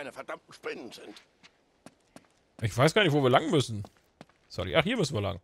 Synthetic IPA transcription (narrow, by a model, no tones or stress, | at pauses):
ɪnəfɛɐd̥amt̚n̩ʃpɪnənzɪnt | ʔɪçv̥aɪsɡ̥aːnɪçvoːviːɐlaŋn̩mʏsn̩ | sɔ̰lḭʔaχhiːɐmʏsn̩viːɐla̰ŋ